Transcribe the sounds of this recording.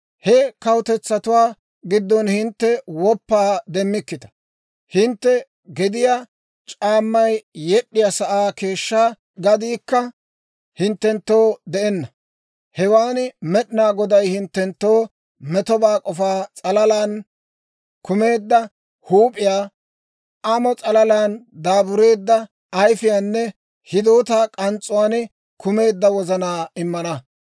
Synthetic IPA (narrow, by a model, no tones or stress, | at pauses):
hɛkɐwʊt̪ɛt͡sːɐt̪ʊwaː | ɡɪd̪ːɔnhɪnt̪ːɛwɔpːaːd̪ɛmːɪkːɪt̪ɐ̥ | hɪnt̪ːɛ | ɡɛd̪ɪja | t͡ʃʼaːmːɐjjɛɗːɪjasɐʔaːke̞ːʃːaː | ɡɐd̪iːkːɐ | hɪnt̪ːɛnt̪ːoːd̪ɛʔɛnːɐ | hɛwaːnmɛɗɪnaːɡɔd̪ɐjhɪnt̪ːɛnt̪ːo̞ː | mɛt̪ɔbaːkʼɔfaːt͡sʼɐlɐlaːn | kʊme̞ːd̪ːɐ | huːpʼɪjaː | ʔɐmɔt͡sʼɐlɐlaːnd̪aːbʊɾe̞ːd̪ːɐ | ɐjfɪjaːnːɛ | hɪd̪oːt̪aːkʼɐnt͡sʼːʊwaːnɪ | kʰʊme̞ːd̪ːɐwɔzɐnaːɪmːɐnɐ